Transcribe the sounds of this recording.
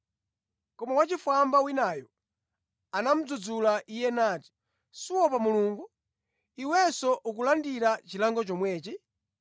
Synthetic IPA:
kɔmawat͡ʃifwambawinaːjɔ | anam̩d͡zud͡zulaʔijɛnaːti̥ | siwɔpamuluːŋɡu | iwɛsɔʔuk̬ulandiɾat͡ʃilaŋɡɔt͡ʃɔmwɛːt͡ʃi

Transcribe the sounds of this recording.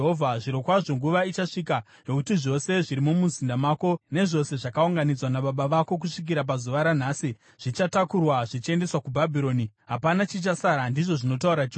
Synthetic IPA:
ɦovʱaʐiɾokwaʐo̞ŋɡuʋait͡ʃaʂika | jo̞kutiʐo̞se̞ʐiɾimumuzindamaːko̞ne̞ʐo̞se̞ʐakauŋɡanid͡zwanaɓaɓaʋako̞k̬uʂik̬iɾap̬azuʋaɾan̤aːsi | ʐ̥it͡ʃatakurwaʐit͡ʃie̞nde̞swakubʱabʱiɾo̞ːniɦapanat͡ʃit͡ʃasaɾandiʐo̞ʐino̞t̬auɾa

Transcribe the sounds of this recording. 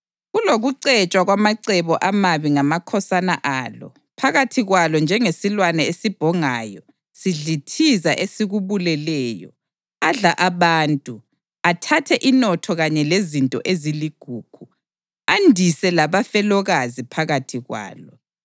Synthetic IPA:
ɣuloɣuǀɛt͡ʃʼwaɣwamaǀɛβɔʔamaβiŋamakʰɔsanaʔaːlɔ̰ | pʰaɣatʰiɣwalɔnd͡ʒʱɛŋesilwanɛesib̥ʱɔŋaːjɔ̰ | siɮitʰizaʔesiɣuβulɛlɛːjɔ̰ | aɮaʔaβaːntʼu | atʰatʰɛʔinɔtʰɔɣaɲɛlezintʼɔ̰ʔeziliɡ̥ʱuːɡ̥ʰʱu | andʱisɛlaβafɛlɔɣazipʰaɣatʰiɣwa̰ːlɔ

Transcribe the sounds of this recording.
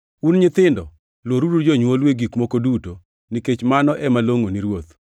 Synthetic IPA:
unɲɪt̪ɪndɔ | lwoɾudud͡ʒoɲwolweɡikmokoduto | niket͡ʃmanɔʔɛmaloŋoniɾwot̪

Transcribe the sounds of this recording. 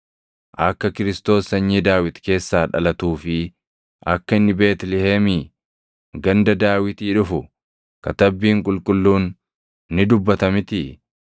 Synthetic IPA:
ʔɐkːɐkɪɾɪst̪o̞ːsɐɲːiːd̪aːwɪt̪ke̞ːsːaːᶑɐ̰lɐt̪uːfɪ | ʔɐkːɐɪnːɪbe̞ːt̪lɪheːmiː | ɡɐnd̪ɐd̪aːwɪt̪iːᶑʊfʊ | kɐt̪ɐbːiːŋkʼʊlkʼʊlːuːnː | ɪd̪ʊbːɐt̪ɐmɪt̪ɪ

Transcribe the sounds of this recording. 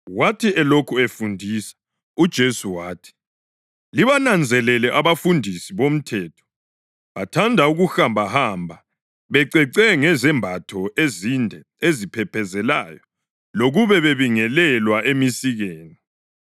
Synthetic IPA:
watʰiɛlokʰuefundʱisḁ | ud̥ʒ̥ʱesuwaːtʰi̥ | liβanand͡zʱɛlɛlɛʔaβafundʱisiβom̩tʰɛːtʰɔ̥ | βatʰandʱauɣuxambʱahambʱa | βɛǀɛǀɛŋɛzɛmbʱatʰɔʔezindʱɛ | ezipʰɛpʰɛzɛla̰ːjɔ | loɣuβɛβeβiŋɛlɛlwaʔemisiɣeːni

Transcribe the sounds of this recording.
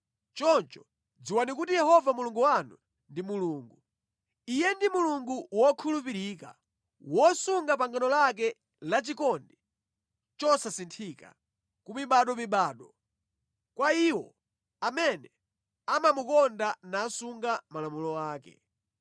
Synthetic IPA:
t͡ʃɔnt͡ʃɔ | d͡ziwanik̬utijɛhɔvamuluŋɡuwanṵ | ndimuluːŋɡu | ijɛndimuluŋɡuwɔkʰulupiɾiːka̰ | wɔsuŋɡapaŋɡanɔlak̬ɛ | lat͡ʃikɔndɛ | t͡ʃɔsasintʰika̰ | kumiɓaɗɔmiɓaːɗɔ | kwaiwɔ | amɛnɛ | amamukɔndanaːsuŋɡamalamulɔaːkɛ̰

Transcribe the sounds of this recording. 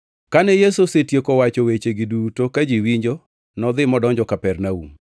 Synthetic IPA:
kanɛjesosetjekɔwat͡ʃɔwet͡ʃeɡɪdutokad͡ʒiwiɲd͡ʒo | nɔd̪ɪmɔdɔɲd͡ʒɔkapɛrnaṵm

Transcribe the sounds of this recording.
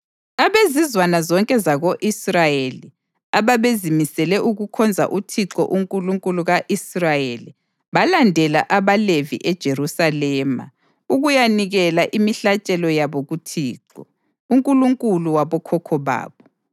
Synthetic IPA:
aβezizwanazɔŋkʼɛzaɣoʔisrajeli | aβaβezimisɛlɛʔuɣukʰɔnd͡zʱa̰ʔutʰiǁɔ̰ʔuŋkʼuluŋkʼuluɣaʔisrajeli | βalandʱɛla̰ʔaβalevḭʔɛd̥ʒ̥ʱerusalɛːma̰ | uɣujaniɣɛlaʔimiɬat͡ʃʼɛlɔjaβoɣutʰiːǁɔ | uŋkʼuluŋkʼuluwaβɔkʰɔkʰɔβa̰ːβɔ

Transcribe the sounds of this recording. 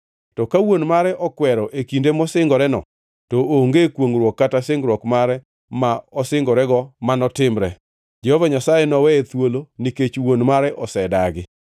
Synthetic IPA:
tɔkawonmaɾɛʔɔkwɛɾɔʔekindemɔsɪŋɡɔɾɛnɔ̰ | tooŋɡekwoŋɾwɔkːatasɪŋɡɾwɔkmaɾɛ | maɔsɪŋɡɔɾɛɡɔmanɔtɪmɾɛ | d͡ʒɛhɔvaɲasajenɔwɛet̪woloniket͡ʃwonmaɾɛʔɔsɛdaɡɪ

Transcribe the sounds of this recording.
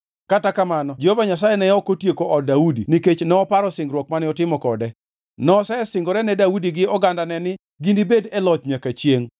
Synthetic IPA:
katakamanɔd͡ʒovaɲas̬ajɛnɛjɔkotjekoʔɔdaudḭniket͡ʃnɛɔpaɾɔsɪŋɡɾwɔk̚manɪɔtɪmɔkɔdɛ | nɔsɛɛsɪŋɡɔɾɛnɛdaudiɡɪɔɡandanɛnɪ | ɡindibedɛlɔt͡ʃɲakat͡ʃjeŋ

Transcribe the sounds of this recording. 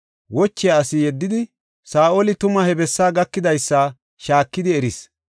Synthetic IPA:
wɔt͡ʃːɪjaːsɪjɛd̪ːɪd̪ɪ | saːʔoːlɪt̪ʊmɐhɛbɛsːaːɡɐkːɪd̪ɐjsːa | ʃaːkːɪd̪ɪɛɾɪs

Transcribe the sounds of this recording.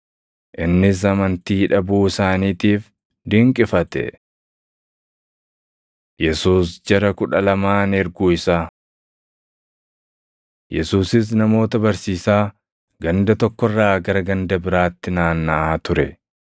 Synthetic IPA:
ʔɪnːɪs̬ɐmɐnt̪iːᶑɐbuːɪsaːniːt̪iːf | d̪ɪŋkʼɪfɐt̪ɛ̰ | jɛsuːsd͡ʒɛɾɐkʊᶑɐlɐmaːnɛɾɡuːɪsaː | jɛsuːsɪs̬nɐmo̞ːt̪ɐbɐɾsiːsaː | ɡɐnd̪ɐt̪ɔkːɔrːaːɡɐɾɐɡɐnd̪ɐbɪɾaːt̪ːɪnaːnːɐʔaːt̪ʊɾɛ

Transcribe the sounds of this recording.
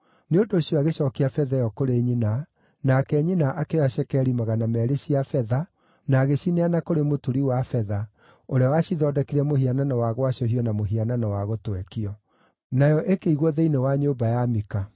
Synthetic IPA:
neondoːɕjɔaɣeɕɔːkeafɛðajɔkoɾeɲina | nakɛɲinaʔakeɔaɛkɛɾimaɣanamɛɾeɕiafɛða | naːɣeɕineanakoɾemotuɾiwafɛða | oɾeawaɕiðɔːdɛkiɾɛmohiananɔwaɣwaɕɔɦiɔnamoɦiananɔwaɣotwɛkiɔ | najɔʔekeiɣwɔðeinewaɲobajamika

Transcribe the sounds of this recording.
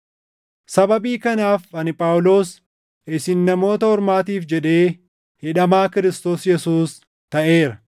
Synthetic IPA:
sɐbɐbiːkɐnaːfɐnɪpʼaːwlo̞ːs | ɪsɪnːɐmo̞ːt̪ɐhɔɾmaːt̪iːfd͡ʒɛᶑe̞ː | hɪᶑɐmaːkɪɾɪst̪o̞ːsjɛsuːs | t̪ɐʔe̞ːɾɐ

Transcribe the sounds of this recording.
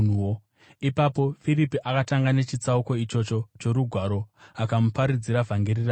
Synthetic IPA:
uo | ipapo̞firipiʔakataŋɡane̞t͡ʃit͡sauko̞it͡ʃo̞t͡ʃo̞t͡ʃo̞ɾuɡʱwaɾo̞akamupaɾid͡ziɾavʱaŋɡeɾira

